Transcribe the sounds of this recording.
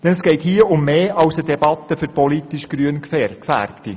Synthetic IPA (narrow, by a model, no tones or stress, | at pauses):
d̥ɛnəsɡ̥ɛɪthiːəʔʊmːeːɑwsədɛbɑt̪ːəfʏɾpɔlitiʃɡ̥ɾyənkfɛrkfæ̰ɾpti